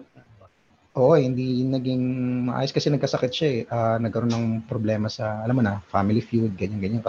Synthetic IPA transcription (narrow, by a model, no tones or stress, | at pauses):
ʔo̞ːʔohɪnd̪inɐɡiŋmɐʔa̰ːjoskɐsɛnɐɡ̚kɐsɐkɪt̪̚ʃaɛʔaːnɐɡ̚kɐɾo̞nːɐŋpɾoblɛːmɐsɐʔɐlamonɐfamɪlifjud̪̚ɡɐɲanɡɐɲankɐ